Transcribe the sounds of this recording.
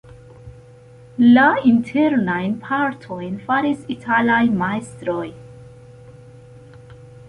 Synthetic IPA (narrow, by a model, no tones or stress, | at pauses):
laintʰe̞ɾnajnpʰaɾtʰo̞jnfaɾisitʰalajmaestɾo̞j